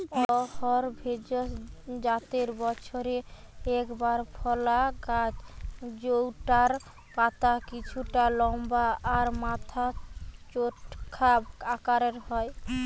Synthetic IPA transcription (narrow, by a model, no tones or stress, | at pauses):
ɔhɔɾbʱed͡ʑosd͡ʑat̪eɾbɔt͡ɕʰoɾe | ɛkbaɾpʰɔlaka | d͡ʑowʈaɾ | pat̪akit͡ɕʰuʈalɔmbaaɾmat̪ʰat͡ʃoʈkʰabakaɾeɾɦɔe